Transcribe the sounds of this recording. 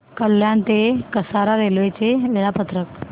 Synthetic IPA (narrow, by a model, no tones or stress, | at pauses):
kəljant̪ekəsaɾaɾelʋet͡seʋeɭapət̪ɾək